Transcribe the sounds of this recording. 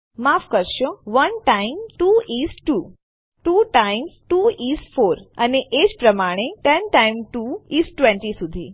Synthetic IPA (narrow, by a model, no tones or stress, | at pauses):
maːfkəɾʃoʋənʈaɪmʈuisʈuː | ʈuːʈaɪmzʈuːiːsfʰoːɾəneʔed͡ʒpɾəmaːɽ̃eʈɛnʈaɪmʈuiːsʈʋẽɳʈisud̪ʱiː